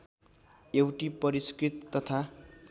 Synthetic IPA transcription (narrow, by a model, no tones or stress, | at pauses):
ewʈipʌɾiskrit̪ːʌt̪ʰa